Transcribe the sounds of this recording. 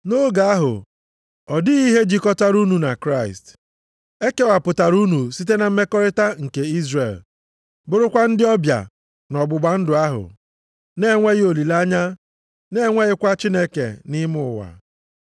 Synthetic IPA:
no˦ɡa˨a˦ɦʊ̰˨ | ɔ˨dɪ˦i˦ɦe˦d͡ʒi˨kɔ˦ta˦ɾu˦nu˨na˨kɾa˦ɪ̰˨st | e˦ke˦wa˨pʊ˨ta˨ɾu˦nu˨si˦t̬e˦na˨m̩˦me˦kɔ˦ɾɪ˦ta˦ŋ̩˨ke˨i˦zrḛ˨l | bʊ˦ɾʊ˦kʷa˦n̩˦dɪ˦ɔ˦bja̰˨ | nɔ˨ɡ͡bʊ˨ɡ͡ba˦n̩˦dʊ˨a˦ɦʊ̰˨ | ne˦ŋʷe˦ɣɪ˦o˨li˨la˦ɲa˦ | ne˦ŋʷe˦ɣɪ˦kʷa˦t͡ʃi˦ne˦kḛ˨nɪ˦mʊ˦ʊ˨wa̰˨

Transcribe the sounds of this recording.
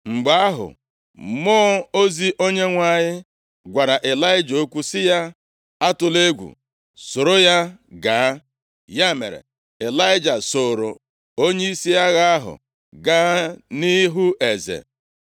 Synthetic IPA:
ŋ͡m̩˨ɡ͡ba˦a˦ɦʊ̰˨ | mɔː˦o˦zi˦ʔo˦ɲe˦ŋʷa˨ɲɪ˦ | ɡʷa˨ɾa˨ʔe˨la˦ɪ˦d͡ʒo˦kʷu˦sɪ˦ja˦ | a˦tʊ˨le˦ɡʷṵ˨ | sʊ˨ɾo˦ja˦ɡaː˨˦ | ja˦mḛ˨ɾḛ˨ | e˨la˦ɪ˦d͡ʒa˨soː˨ɾo˨ | o˦ɲe˦i˦si˦ja˦ɣa˦a˦ɦʊ̰˨ | ɡa˦ni˦ɦu˦e˨zḛ˨

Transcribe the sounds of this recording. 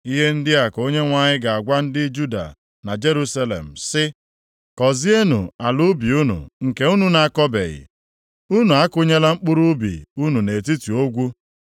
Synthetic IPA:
i˦ɦe˦n̩˦dɪ˦a˨ko˦ɲe˦ŋʷa˨ɲɪ˦ɡa˨a˨ɡʷa˦n̩˦dɪ˦d͡ʒu˦da̰˨ | na˨d͡ʒe˦ɾu˦sa˦lḛ˨m̩˨sɪ˦ | kɔ˨zi˦e˦nṵ˨a˨lʊ˦bi˨u˦nṵ˨ŋ̩˨ke˦u˦nu˨na˨kɔ˦bḛ˨ɣɪ̰˨ | u˦nu˨a˦kʊ˦ɲe˦la˦ŋ͡m̩˦k͡pʊ˦ɾu˦bḭ˨u˦nu˨ne˨t̬i˦tu˨o˦ɡʷu˦

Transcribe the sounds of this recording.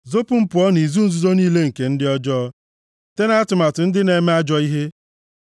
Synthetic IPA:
zo˦pʊ˦m̩˦pʊ˨ɔ˦ni˨zu˦n̩˦zu˦zo˦niː˦le˦ŋ̩˨ke˨n̩˦dɪ˦ɔ˦d͡ʒɔ˦ | te˦na˦a˦tʊ˨ma˨tʊ˨n̩˦dɪ˦ne˨me˦a˦d͡ʒɔ˦i˦ɦe˦

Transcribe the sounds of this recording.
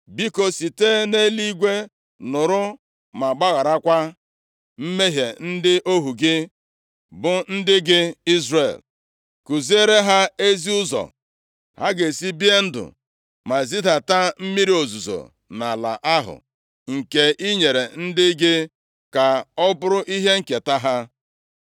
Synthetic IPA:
bi˦ko˨si˨te˦ne˦li˦ɡʷe˦ | nʊ˨ɾʊ˦ | ma˨ɡ͡ba˦ɣa˨ɾa˦kʷa˦ | m̩˦me˦ɦje˨n̩˦dɪ˦ʔo˦ɦu˨ɡɪ˦ | bʊ˨n̩˦dɪ˦ɡɪ˦i˦zre˨l | ku˨zi˦e˦ɾe˦ɦa˦e˦zi˦ʊ˦zɔ̰˨ | ha̰˦ɡe˨si˦bi˦e˦n̩˦dʊ̰˨ | ma˨zi˦da˨ta˦m̩˦mi˦ɾi˦o˨zu˨zo̰˨ | na˨la̰˨ʔa˦ɦʊ̰˨ | ŋ̩˨ke˨ʔi˦ɲe˨ɾe˨n̩˦dɪ˦ɡɪ˦ | ka˨ɔ˦bʊ˦ɾʊ˦ʔi˦ɦe˦ŋ̩˨ke˨ta˦ɦa˦

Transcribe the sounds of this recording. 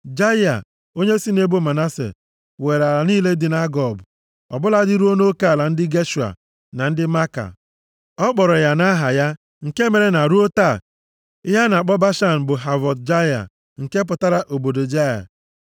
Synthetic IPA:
d͡ʒa˦ja̰˨ | o˦ɲe˦si˦ne˦bu˦˨ma˨na˦sḛ˨ | we˨ɾa˨ɾa˨niː˦le˦dɪ˨na˦ɡɔ˨b | ɔ̰˨bʊ˦la˦dɪ˦ɾu˦o˦no˦ka˦a˨la˨n̩˦dɪ˦ɡe˦ʃu˨a̰˨ | na˨n̩˦dɪ˦ma˦ka̰˨ | ɔ˦k͡pɔ˨ɾɔ˨ja˨na˦ɦa˨ja˦ | ŋ̩˨ke˦me˨ɾe˨na˨ɾu˦o˦ta˦˨˦ | ja˦na˨k͡pɔ˦ba˦ʃa˦˨n̩˨bʊ˨ɦa˨vɔ˨dd͡ʒa˦ja̰˨ | ŋ̩˨ke˦p̬ʊ˨ta˦ɾa˦˨ʔo˨bo˨do˨d͡ʒa˦ja̰˨

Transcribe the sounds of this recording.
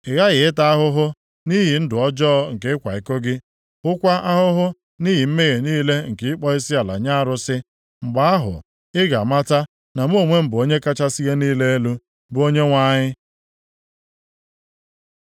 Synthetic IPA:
ɪ˨ɣa˦ɣɪ˨ɪ˦ta˦a˦ɦʊ˦ɦʊ˦ | ni˦ɦi˨n̩˦dʊ˨ɔ˦d͡ʒɔː˦ŋ̩˨ke˦ɪ˦kʷa̰˨ɪ˨ko˦ɡɪ˦ | ʊ˦kʷa˦ʔa˦ɦʊ˦ɦʊ˦ | ni˦ɦi˨m̩˦me˦ɣe˨niː˦le˦ŋ̩˨kɪ˨˦ɪ˦k͡pɔ˦i˦si˦a˨la̰˨ɲa˦a˦˨ɾʊ˦sɪ˦ | ŋ͡m̩˨ɡ͡ba˨˦a˦ɦʊ̰˨ | ɪ˦ɡa̰˨ma˦ta˦ | na˨m̩˦o˨ŋʷe˦m̩˦˨bʊ˨o˦ɲe˦ka˦t͡ʃa˦si˦ɣe˦niː˦le˦e˦lu˦ | bʊ˨˦o˦ɲe˦ŋʷa˦ɲɪ˦

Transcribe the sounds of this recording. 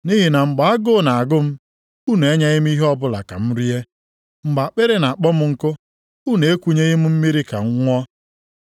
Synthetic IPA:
ni˦ɦi˨na˨ŋ͡m̩˨ɡ͡ba˨a˦ɡʊ˦˨na˨a˨ɡʊ˦m̩˦ | u˦ne˨e˦ɲa˦ɣɪ˦m̩˦i˦ɦɔ˦bʊ˦la̰˨ka̰˨m̩˦ɾi˦e˦ | m̩˦ɡ͡ba˨a˨k͡pe˦ɾe˦na˨a˨k͡pɔ˦mʊ˦ŋ̩˨kʊ˦ | u˦ne˨e˦kʷu˦ɲe˦ɣɪ˦m̩˦m̩˦mi˦ɾi˦ka̰˨ŋ̩˦ŋʷɔ˦

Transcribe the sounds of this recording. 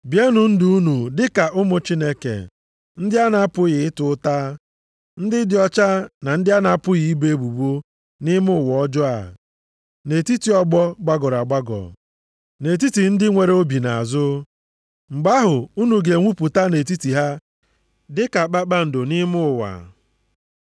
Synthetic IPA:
bje˦nu˨n̩˦du˦u˦nu˨dɪ˦ka˨ʔʊ˦mʊ˦t͡ʃi˦ne˦kḛ˨ | n̩˦dɪ˦a˦na˦pʊ˦ɣɪ˨ɪ˦tʊ˨˦ta˦ | n̩˦dɪ˦dɪ˦ɔ˦t͡ʃa˦na˨n̩˦dɪ˦a˦na˨˦pʊ˦ɣi˨i˦be˦e˦bu˨bo˦ | nɪ˦mʊ˦ʊ˨wɔ˨˦d͡ʒɔ˦a̰˨ | ne˨ti˦ti˨ɔ˦ɡ͡bɔ˦ɡ͡ba˦ɡɔ˨ɾa˨ɡ͡ba˦ɡɔ̰˨ | ne˨t̬i˦ti˨n̩˦dɪ˦ŋʷe˨ɾe˦o˦bi˨na˨a̰˨zʊ˦ | ŋ͡m̩˨ɡ͡ba˦ɦʊ˨u˦nu˨ɡe˨ŋʷu˦pu˨ta˦ne˨t̬i˦ti˨ɦa˦ | dɪ˦ka˨k͡pa˦k͡pa˦n̩˨do˨ni˦mʊ˦ʊ˨wa̰˨

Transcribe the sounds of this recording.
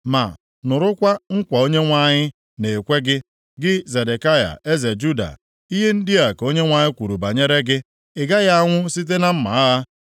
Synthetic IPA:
ma̰˨ | nʊ˨ɾʊ˦kʷa˦ŋ̩˦kʷa˨o˦ɲe˦ŋʷa˦ɲɪ˦ | ne˨kʷe˦ɡɪ˦ | ɡɪ˦ze˨de˨ka˦ja̰˨e˦ze˨d͡ʒu˦da̰˨ | i˦ɦe˦n̩˦dɪ˦a˨ko˦ɲe˦ŋʷa˦ɲɪ˦kʷu˨ɾu˨ba˨ɲe˦ɾe˦ɡɪ˦ | ɪ˨ɡa˦ɣa˦a˦ŋʷʊ˦si˦t̬e˦na˦m̩˦ma̰˨a˦ɦa˦

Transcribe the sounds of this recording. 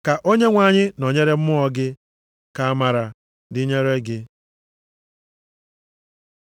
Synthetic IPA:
ka˨ʔo˦ɲe˦ŋʷa˨ɲɪ˦no˨ɲe˦ɾe˦m̩˦mʊ˦ɔ˦ɡɪ˦ | ka˨a˦ma˨ɾa˨ | dɪ˦ɲe˦ɾe˦ɡɪ˦

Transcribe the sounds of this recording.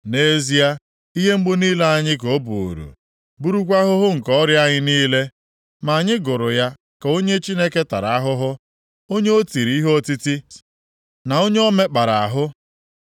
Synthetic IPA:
ne˦zi˦a˦ | i˦ɦe˦m̩˦ɡ͡bʊ˦niː˦le˦a˦ɲɪ˦k̬o˦bu˨ṵ˨ɾṵ˨ | bu˦ɾu˦kʷa˦ɦʊ˦ɦʊ˦ŋ̩˨kɔ˦ɾja˦ɲɪ˦niː˦le˦ | ma˨ɲɪ˦ɡʊ˨ɾʊ˨ja˦ | ka˨o˦ɲe˦t͡ʃi˦ne˦ke˦ta̰˨ɾa˨a˦ɦʊ˦ɦʊ˦ | o˦ɲe˦o˦ti˨ɾi˨i˦ɦo˦ti˦ti˦ | na˨o˦ɲe˦ɔ˦me˦k͡pa˨ɾa˨a˨ɦʊ˦

